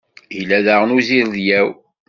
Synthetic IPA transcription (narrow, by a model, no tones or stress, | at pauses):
ilːæðæʁənuziɾðjæw